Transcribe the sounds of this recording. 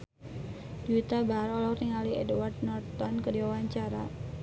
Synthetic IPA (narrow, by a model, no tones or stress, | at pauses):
d̥ut̪abaaɾɔlɔkriŋaliɛdward̪̚nɔrt̪̚tɔnkədiwawaɲt͡ʃaɾa̰